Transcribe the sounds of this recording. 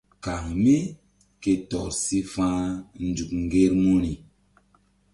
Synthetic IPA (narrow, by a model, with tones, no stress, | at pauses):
ka˨ŋmi˦ | ke˨tɔ˨si˦fãː˦n̩˨du˨k̚ŋ˨ɡe˦ɾmu˦ni˨